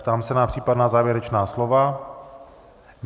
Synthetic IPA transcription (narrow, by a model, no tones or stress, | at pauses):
t̪aːmsɛnapr̥iːpadnaːzaːvjɛɾɛt͡ʃnaːslova | m